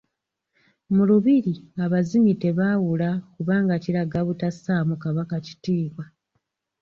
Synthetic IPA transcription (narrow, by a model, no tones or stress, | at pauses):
muluβiɾiŋaβazimite̞βaːwulakuβaːŋɡaciɾaɡaβutasaːmukaβakaci̥tiːβwa